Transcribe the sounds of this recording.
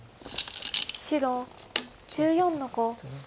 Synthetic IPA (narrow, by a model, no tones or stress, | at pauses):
ɕiɾo | d͡ʑɨːjõ̞nːoko